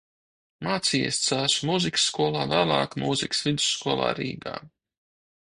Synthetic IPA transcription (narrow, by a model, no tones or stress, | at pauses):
maːt̪siːɛ̰st̪saːʃmuziksːkuɔlˠɑːvæːlˠɑ̰ːkmuziksvid̪u̥sːkuɔlˠa̰ːɾḭːɡa̰ː